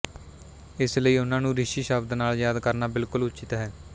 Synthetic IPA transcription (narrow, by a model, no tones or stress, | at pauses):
ɪsləiːʊnãːnũːɾɪʃiːʃəb̚d̪naːljaːd̪kəɾnaːbɪlkʊlʊt͡ʃɪt̪ɦɛː